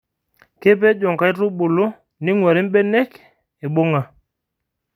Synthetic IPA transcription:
ke˦p̬ɛ˦d͡ʒɔ˨ŋka˦i˦ɾu˦ɓo˨lo˦ | nɪ˦ŋwɛ˨ɾi˦bɛ˦nɛ˦k | e˨ɓo˦ŋa˨

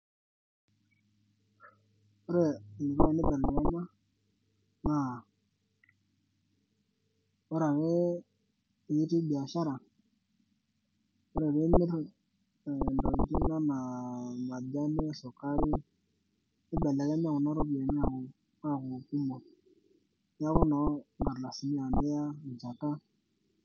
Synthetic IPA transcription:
o˦ɾɛ˦˨ni˨kɔ˦a˨ni˦bɛ˨lɛ˨kɛ˦ma˦ | na˦˨ | ɔ˦ɾa˨wɛ˦˨ | ji˦ti˦bi˨a˨ʃa˦ɾa˨ | o˦ɾɛ˨be˦mi˦ɾ | ndɔ˨n˨ti˦na˦na˨ma˨da˦ne˦so˨ka˦ɾi˦ | i˦ɓɛ˨la˨kɛ˦m˦a˨ku˨na˦ɾo˦bi˨e˨mi˦a˨ku˨ | ka˦˨ku˨ku˦mɔ˨ | ja˦ku˦nɔ˨˦ŋɡa˨ɾla˨si˨mi˦a˨mɛ˦ja˦˨d͡ʒa˨ta˦

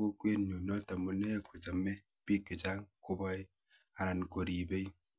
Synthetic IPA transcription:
o˦kwe˦nu˨nɔ˦ta˨mu˨nɛ˦kʊ˨d͡ʒa˨mɛ˦ | pi˦ki˨d͡ʒa˦ŋkʊ˦bɔ˦j | a˨ɾa˨nko˨ɾi˨be˦i˦

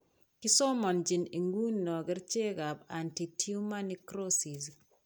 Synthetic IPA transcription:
kɪ˦so˦mɔ˨nd͡ʒi˨ni˨ŋɡu˦nːɔ˨ɡɪ˦ɾt͡ʃe˦ɡa˨ba˨nti˨tʰiu˦ma˦nikɾosi˨z

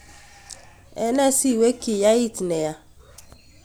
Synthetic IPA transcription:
ɛ˦nɛ˦si˦˨we˦ki˨ja˦i˦˨tnɛ˨ja˨˦

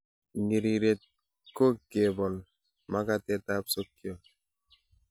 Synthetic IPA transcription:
ŋi˨ɾi˨ɾe˨t̪̚ | ko˦ke˨bɔ˨n | ma˦ka˦tɛ˦ta˦pso˦kːi˦o˨

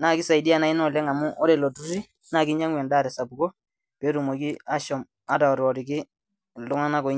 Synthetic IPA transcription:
na˦˨kɪ˦sa˨ɪ˨di˦a˨na˨ɪ˦nɔ˦˨lɛ˦ŋa˨mʊ˦ʔɔ˦ɾe˨lo˨tu˦si˦ | na˦˨kɪ˦ɲa˦ŋwɛ˨nda˦˨ɾɛ˨sa˨bu˨kɔ˦ | pe˨˦ɾu˨mo˨ki˦a˦ʃɔ˨m | a˦ta˨ɔ˨ɾɔ˨ɾɪ˨kɪ˦˨ | dʊ˦ŋa˦na˦ko˨˦

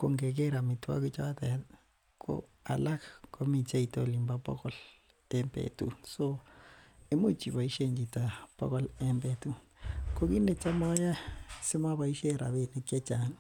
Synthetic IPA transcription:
ko˨ŋɡe˨k̬e˦ɾa˨mi˨twa̰˦ku˦t͡ʃa˦tɛ˨ | kʰo̰˦ | a̰˨la˦kko˦mi˨t͡ʃa˦ito˦li˨mba˦pɔ̰˦ko˦l | e˦mbḛtṵ˦so˦ | e˦mu˦t͡ʃi˨βa˨i˦ʃe˦ɲd͡ʒi˨ta˨po̰˦kɔ˦lembe˨tu˦ko˦ki˦ne˨t͡ʃa˦mɔ˦ja˦se˦mwa˦βa˨i˦ʃe˦ɾa̰˨βe˦˨ne˦kja˦t͡ʃa˨n

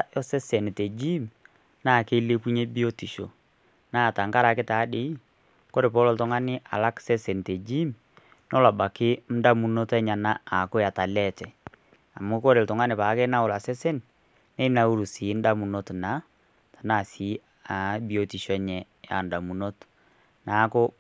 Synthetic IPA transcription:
jɔ˦se˦se˨n˨te˨d͡ʒi˦m | naː˦˨ke˦le˦ku˦ɲe˦bi˦o˦ti˨ʃo˨ | na˦˨ta˨ŋka˦ɾa˨kɪ˦ta˨˦de˨i˦ | ko˦ɾe˨p̬o˦lo˦ltʊ˦ŋa˦nɪ˦ʔa̰˨la˦kse˦se˨n˨te˨d͡ʒi˦m | nɔ˦la˨ba˨kɪ˦m̩˦da˦mu˨no˦tɛ˦ɲa˨na˦a˨kʊ˦ja˨ta˨lɛ˦tɛ˨ | a˨mu˦ko˦ɾe˨ltʊ˨ŋa˦nɪ˨paː˨˦ke˦na˦ʊ˨la˨sɛ˦se˦n | ne˦na˨u˦ɾu˨si˨˦n˦da˦mu˨no˦tna˨˦ | tḁ˨na˦˨si˨˦ | a˨˦bi˨o˨ti˨ʃo˦ɲɛ˨ | ja̰˨nda˨mu˨no˦t | na˨˦ko˦

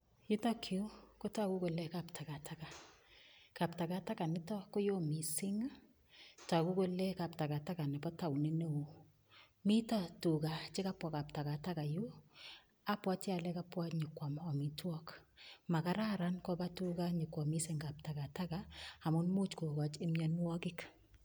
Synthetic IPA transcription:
jɪ˦ta˦kʰjo˦ko˦ta˦ku˦ko˨lɛ˦ka˨ptʰa˨ka˨tʰa˦ka˨ | ka˨pta˨ka˨ta˦ka˨nɪ˦tɔ˦ko˦jo˦mi˨sɪ˦ŋ | ta˨ku˦ko˦lɛ˦ka˨pta˨ka˨ta˦ka˨nɛ˨pɔ˦ta˨wne˦no˦u˨ | mi˦ta˦tu˨ka˨t͡ʃɪ˦ka˦pwa˨ka˨p̚ta˨ka˨ta˦ka˨ju˦ | a˦pwa˦t͡ʃja˨lɛ˦ka˦pwa˦ɲɪ˨kwa˨mɔ˨mi˨twɔ˦kma˨ka˦ɾa˦ɾa˦nkɔ˦ba˦tu˦ka˦ɲɪ˨kwɔ˨mi˦sɪ˨ŋɡa˨p̚ta˨ka˨ta˦kaa˨mʊ˦nmu˦t͡ʃko˨ka˨t͡ʃɪ˦mɲɔ˦nwɔ˦kɪ˦k

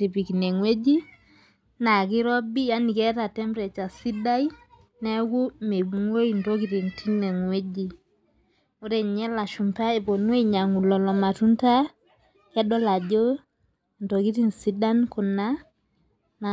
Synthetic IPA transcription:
ti˨pi˨ki˨ne˨ŋwe˦d͡ʒi˦ | na˨ki˦ɾɔ˦bi˦ja˦ni˨kɛ˦ta˨tɛ˦mpɾɛ˨t͡ʃa˨si˦da˦i˦ | nɛ˦ku˦me˨bŋwo˦i˨nto˦ki˦ti˨ntʰi˦ne˨ŋwe˦d͡ʒi˨ | o˦ɾe˨ɲɛ˦la˨ʃu˨mpa˦e˨po˨nwe˦ɲa˨ŋu˨lɔ˨lɔ˨ma˨tu˦nta˦ | kɛ˦dɔ˦la˨d͡ʒo˦ | nto˨ki˦ti˨nsi˦da˦nku˨na˦ | na˨

